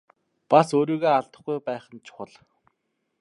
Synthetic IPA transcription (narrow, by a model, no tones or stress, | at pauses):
pasoːɾiːɣoːaɮt̪ə̥̆χɡujpæːχə̆nt͡ɕʰʊ̥χə̆ɮ